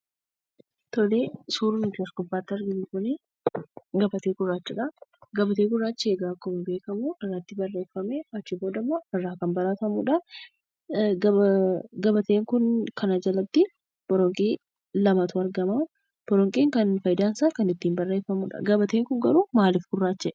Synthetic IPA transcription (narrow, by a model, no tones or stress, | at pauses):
t̪ɔleːsuːɾʊnʊt̪ɪɐsɡʊbːaːt̪ːɪɐɾɡɪnikʊne | ɡɐbɐt̪e̞ːɡʊrːaːt͡ʃːɪᶑɐɡɐbɐt̪e̞ːɡʊrːaːt͡ʃːɪe̞ːɡaːkːɔmɪbe̞ːkɐmuʔɪrːaːt̪ːɪbɐrːe̞ːfɐmeɐt͡ʃːɪbo̞ːd̪ɐmːoːɪrːaːkɐmbɐɾaːt̪ɐmuᶑɐ | ɡɐɡɐbɐt̪e̞ːŋkʊnkʰɐnɐd͡ʒɐlɐb̚t̪ɪ | b̥ɔɾɔŋkʼiː | lɐmɐt̪ʊɐɾɡɐmɐ | b̥ɔɾɔŋkʼiːŋkɐnfɐjd̪aːnsaːkɐnɪt̪ːiːmbɐrːeːfɐmuᶑɐ̰ɡɐbɐt̪e̞ːŋkʊŋɡɐɾuːmaːlɪfɡʊrːaːt͡ʃːɛ